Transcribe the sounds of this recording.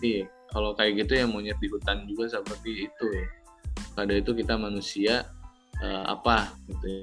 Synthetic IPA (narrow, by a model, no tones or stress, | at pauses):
i | kalokajɛɡit̪ujaŋmoɲət̪̚ikut̪and͡ʒuɡasəpərt̪iːt̪uja | kadait̪ukit̪amanusia | əa̰paɡit̪uja